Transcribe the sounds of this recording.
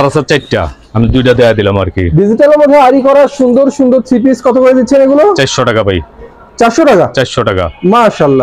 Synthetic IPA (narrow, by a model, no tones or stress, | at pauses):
aɾasat͡ɕajʈʈa̰ | amid̪ujʈ̬ad̪ɛad̪ilama̰ɾkḭɖid͡ʑiʈaleɾmod̪ʱeaɾikɔɾaʃund̪oɾʃund̪oɾt͡ɕʰipiskɔt̪ʰokoɾed̪itːɕʰeneɡulot͡ɕajʃoʈakapaj | t͡ɕaɾʃoʈakat͡ɕaʃoʈaka̰maʃalːa